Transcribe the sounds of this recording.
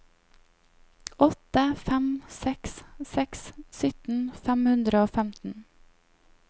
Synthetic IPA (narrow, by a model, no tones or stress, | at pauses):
ʔɔt̪əfæmsɛkssɛkssʏt̪n̩fæmhʉnd̪ɾəoːfæmt̪n̩